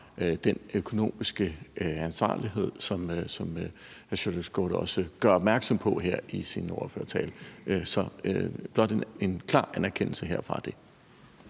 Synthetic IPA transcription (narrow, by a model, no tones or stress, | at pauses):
d̥enøkʰo̝no̝̰ːmisɡ̥əænsʋɑ̰̈ːliɦe̝ð̞̰ˠsɒ̽msɒ̽m | æɕodəsɡ̥o̰ɾ̥ɒ̽səɡ̥ɶɐɒ̽b̥mæɐɡ̥sɒ̽mpʰɒ̽ɦeɐ̰isinɒʊɐfø̰ɐt͡sʰɛ̰ːlʔsɒ̽øb̥lɒ̽d̥eenkʰlɑ̰̈ːænæɐkʰen̰l̩səɦeɐ̰fʁɑ̈d̥e̝